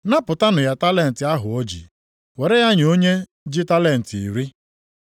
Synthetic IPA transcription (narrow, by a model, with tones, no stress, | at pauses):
na˦pʊ˨ta˦nʊ˨ja˦ta˦le˦˨n̩˨tɪ˨a˦ɦʊ˨o˦d͡ʒḭ˨ | we˨ɾe˦ja˦ɲ˨o˦ɲe˦ | d͡ʒi˦ta˦le˦n̩˨tḭ˨ɾi˦